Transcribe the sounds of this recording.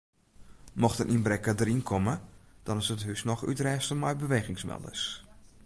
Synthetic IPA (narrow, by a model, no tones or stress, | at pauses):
mɔxtənʔinbrɛkədəɾinkʰɔməd̥ɔnɪsətɦysnɔxy̰trɛːstəmɔjbəʋeːɣɪŋsmɛ̰lˠdə̰s